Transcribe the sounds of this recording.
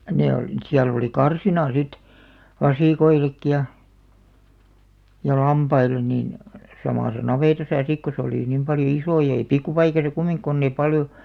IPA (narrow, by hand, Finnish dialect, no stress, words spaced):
ne olĭ siæl oli kɑrsinɑ sit ʋɑsiˑkoilekːi jɑ jɑ lɑmpɑilˑen nin sɑmɑˑsɑ nɑʋeˑtɑsɑ sik ko se oliˑ nim pɑljo isoˑ jɑ̆ ei pikːupɑikɑsɑ kumiŋk konː eĭ pɑljo